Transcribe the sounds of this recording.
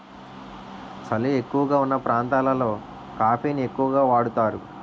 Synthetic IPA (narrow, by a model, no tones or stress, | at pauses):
t͡ʃɐlie̞kːuʋɐɡaːunːɐpɾʔaːnt̪aːlɐlo̞ː | kaːpʰiːnie̞kːuʋɐɡaːʋaːɽut̪aːɾu